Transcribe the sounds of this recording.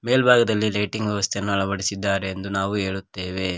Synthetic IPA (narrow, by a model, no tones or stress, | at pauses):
meːlbʱaːɡɐd̪ɐlːileːʈiŋɡʋjɛʋɐst̪ʰejɐnːuɐɭɐbɐɽisid̪ːaːɾeːnd̪unaːʋue̞ːɭut̪ːeːʋe̞